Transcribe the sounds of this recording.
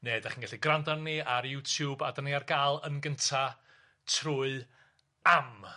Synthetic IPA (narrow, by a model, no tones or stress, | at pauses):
neːdaχiːnɡaɬiɡrandanːiaɾjutʰjuːbadəniarɡaːlˠənɡəntʰa | tʰrʊɨ | am